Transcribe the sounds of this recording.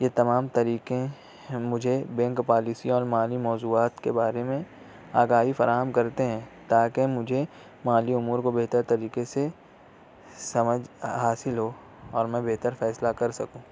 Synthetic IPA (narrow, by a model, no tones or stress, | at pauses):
jet̪ɐmaːmt̪ɐɾiːkẽ | mʊd͡ʒʱebɛ̃ːŋkpaːlɪsiɔːɾmaːlimɔːzuːaːt̪kebaːɾemẽ | aːɡaːɦifɐɾaːɦəmkɐɾt̪eɦɛ̃ːt̪aːkemʊd͡ʒʱe | maːliʊmuːɾkobeɦt̪əɾt̪ɐɾiːkese | sɐməd͡ʒʱɦaːsɪlɦo | ɔːɾmɛ̃beɦt̪əɾfɛːslakɐɾsɐkũː